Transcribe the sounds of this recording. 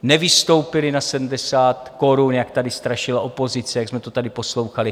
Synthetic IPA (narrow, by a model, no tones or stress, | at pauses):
nɛvɪst̪o̞wpɪlɪnasɛdm̩dɛsaːt̪ko̞ɾunjak̚t̪adɪst̪ɾaʃɪlaʔo̞po̞zɪt͡sɛjaɡzmɛt̪ot̪adɪpo̞slo̞wxalɪ